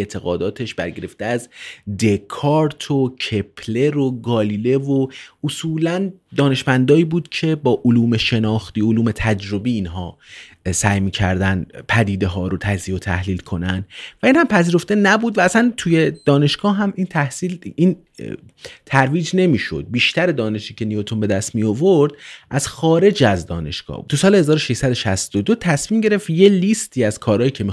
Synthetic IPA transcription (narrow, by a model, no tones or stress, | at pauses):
et̪ʰe̞ɣɒːd̪ɒːt̪ʰe̞ʃbæɾɟe̞ɾe̞ft̪eæzd̪e̞kʰɒːɾt̪ʰocʰe̞pʰle̞ɾoɡɒːliːle̞voʔosuːlænd̪ɒːne̞ʃmænd̪ɒːiːbuːd̪̥cʰe̞bɒːʔoluːme̞ʃe̞nɒːxt̪iːoluːme̞t̪ʰæd͡ʒɾo̞biːnɦɒː | sæjmiːcʰæ̰ɾd̪ænd̪pʰæd̪iːd̪e̞ɦɒːɾo̞t̪ʰæzijot̪ʰæ̰hliːlkʰo̞nænd̪væiːnhæmpʰæziːɾo̞ft̪e̞næbuːd̪væːsænt̪ʰuje̞d̪̥ɒːne̞ʃɡ̥ɒːɦæmint̪ʰæhsiːlin | t̪ʰæɾviːd͡ʒne̞miːʃo̞̰d̪̚biːʃt̪æɾe̞d̪ɒːne̞ʃiːcʰe̞nijot̪ʰombe̞d̪æst̪mijovoɾd̪ʔæz̥xɒːɾe̞d͡ʒæzd̪ɒ̰ːne̞̰ʃɡ̥ɒ̰ːt̪ʰusɒːlehezɒːɾoʃeʃsæd̪o̞ʃæst̪od̪ot̪ʰæsmiːmɟe̞ɾeft̪je̞list̪ʰiːæz̥kʰɒːɾɒːjiːcʰe̞mi